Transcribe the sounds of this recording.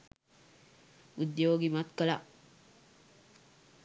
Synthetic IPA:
ud̪ewoɡimat̪kala

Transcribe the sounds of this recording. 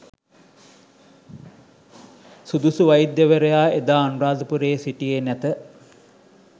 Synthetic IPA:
sud̪usuʋajid̪jəʋəɾejaːed̪aːnuɾaːd̪ɐpuɾeːsiʈijenæt̪ə

